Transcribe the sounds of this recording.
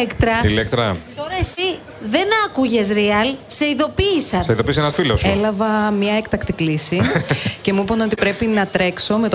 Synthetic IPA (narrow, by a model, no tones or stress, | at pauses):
ekt̪ɾɐilekt̪ɾɐ̰t̪o̞ɾɐesi | ðe̞nɐkuʝe̞sɾiɐlseiðo̞piːsɐɐiðo̞pisenɐsfiloselɐvɐmɲɐekt̪ɐkt̪iklisice̞muipono̞t̪ipɾe̞pinɐt̪ɾe̞kso̞me̞t̪